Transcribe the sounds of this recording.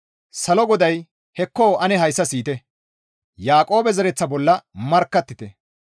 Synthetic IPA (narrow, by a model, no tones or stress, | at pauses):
sɐlɔɡɔd̪ɐj | hɛkːoːʔɐnɛɦɐjsːɐsiːt̪ɛ | jaːkʼo̞ːbɛzɐɾɛt͡sːɐbɔlːɐmɐɾkːɐt̪ːɪt̪ɛ